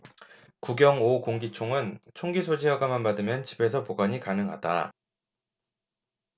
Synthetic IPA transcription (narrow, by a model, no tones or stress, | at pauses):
kuɡjʌŋokoŋɡit͡ɕʰoŋɯnt͡ɕʰoŋɡisʰod͡ʑiʌɡamanmadɯmjʌnt͡ɕi̥be̞sʰʌpoɡaɲikanɯŋɦa̰da̰